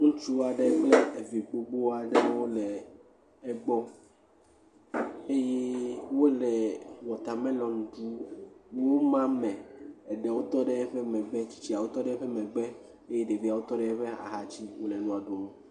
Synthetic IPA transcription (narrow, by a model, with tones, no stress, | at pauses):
ŋũ˦t͡ʃu˦wa˨ɖe˦k͡ple˦e˨vi˨ɡ͡bo˦ɡ͡bo˦a˨ɖe˦wo˦lɛ˨ | ɛ˦ɡ͡bɔ˦ | e˦je˦wo˦lɛ˨wɔ˨t̪a˨mɛ̃˦lɔ̃˨ŋ̩˨ɖu˦wo˦mã˦mɛ̃˨e˨ɖɛ˨wo˦t̪ɔ˦ɖɛ˦ɛ˦ɸɛ˦mɛ̃˨ɡ͡bɛ˦t͡ɕi̥˦t͡ɕi˦a˨wo˦t̪ɔ˦ɖɛ˦ɸɛ˦mɛ̃˨ɡ͡bɛ˦ | e˦je˦ɖe˨vi˦a˨wo˦t̪ɔ˦ɖɛ˦ɛ˦ɸɛ˦a̰˨ɦa˦t͡ɕi˦wo˦lɛ˨nũ˦a˨do˨mõ˦